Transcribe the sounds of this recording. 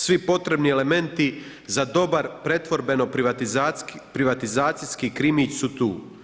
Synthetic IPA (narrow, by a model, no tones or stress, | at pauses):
sʋipo̞t̪ɾe̞bniele̞me̞nt̪i | zad̪o̞baɾpɾe̞t̪ʋo̞ɾbe̞no̞p | pɾiʋat̪izaːt̪sijskikɾimit͡ʃsut̪uː